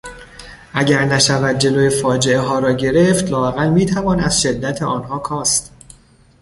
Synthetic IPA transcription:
ʔæɟæɾnæʃævæd̪̚d͡ʒe̞loːjefɒːd͡ʒe̞eɦɒːɾɒːɟe̞ɾe̞ft̪lɒːæɣælmiːt̪ʰævɒːnæz̥ʃe̞d̪ːæt̪ʰeʔɒːnɦɒːkʰɒːst̪

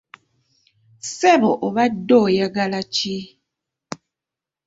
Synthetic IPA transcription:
sɛbɔʔoβadojaɡalat͡ʃi

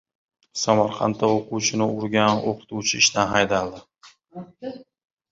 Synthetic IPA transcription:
samaɾqʰɑ̰nt̪ʰːaoqʊwt͡ʃʰɪnɪʊɾɡʲanoqʰɨ̥t̪ʰuwt͡ʃʰɪɪʃt̪anɦajd̪alˠd̪ɪ

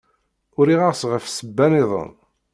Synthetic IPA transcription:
ʊɾiʁaʁsʁəfsəbːæniðˤə̰n

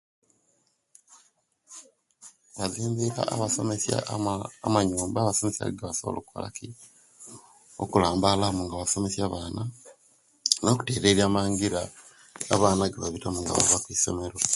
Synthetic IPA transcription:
βaziːmbiɾa̰a̰βasomesja̰ːmaɲuːmbaːβaso̞mesja̰ɡɡaβasoβolʔo̰ːkuβa̰la̰ki | o̰kulaːmbalamuŋɡaβaso̞me̞sjaβaːna | no̞ku̥te̞ːɾeɾjaːmaːŋɡiɾaː | βaːnaɡaβaβitamuŋɡa̰βo̰βakwiso̰me̞ɾo̞

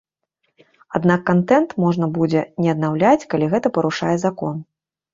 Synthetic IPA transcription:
ad̪nakːant̪ɛnt̪mɔʐnɐbud͡zʲɛnʲɛɐd̪nawlʲat͡sʲkalʲiɣɛt̪ɐpɐɾuʂajɛzakɔn

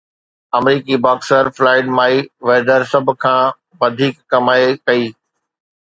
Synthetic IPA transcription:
ɐmɾiːkibaːksəɾflaːɪɖmaːiʋeːɖəɾsɐbʱʊ̆kʰãː | ʋɐd̪ʱiːkːɐmaːekɐiː

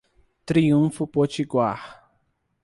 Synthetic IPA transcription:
t̪ɾiũfʊpot͡ʃiɡwaχ

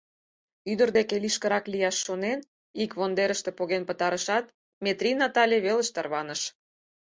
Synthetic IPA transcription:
yd̪ərd̪ekeliʃkə̆ɾɑklijɑʃːonen | ikβond̪eɾəʃt̪ĕpoɣenpət̪ɑɾəʃɑt̪̚ | mʲet̪rʲinɑt̪ɑlʲeβelə̆ʃt̪ɑrβɑnəʃ

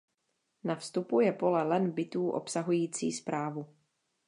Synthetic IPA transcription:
nafst̪upujɛpo̞lɛlɛnbɪt̪uːʔo̰psaɦujiːt͡sḭːspɾaːvu

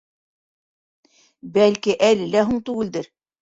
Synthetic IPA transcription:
bælkiʔælɘ̆læɦuɴt̪ʉɡɘ̆ld̪ɘɾ

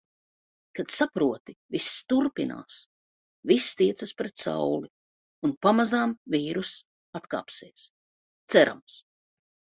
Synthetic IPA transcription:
kat̪sapɾuɔt̪ivisːt̪uɾpina̰ːs | vist̪iɛt̪sɐspɾɛt̪sa̰wli | unpamazamviːɾus | at̪ka̰ːpseːs | t̪sɛɾa̰ms

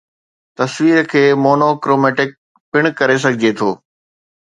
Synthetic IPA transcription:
t̪ɐswiːɾkʰeːmoːnokɾoːmɛːʈɪk̚ | pɪɽ̃kɐɾes̬ɐɡʱɪd͡ʑet̪ʰoː

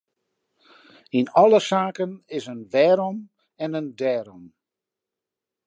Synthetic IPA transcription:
inɔləsaːkənɪsənʋɛːɾɔm | ɛnəndɛːɾɔm

